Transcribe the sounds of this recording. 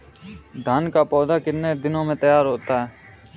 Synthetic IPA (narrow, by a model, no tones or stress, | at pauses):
d̪ʱaːnkaːpɔːd̪aːkɪɾneːd̪ɪnõːmẽːt̪əjaːɾɦoːt̪aːɦɛː